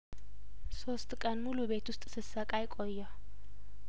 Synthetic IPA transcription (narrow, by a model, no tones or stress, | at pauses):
so̞st̪ʼkʼənmuluβe̞t̪wʊst̪ʼsɨsɐkʼajkʼojːa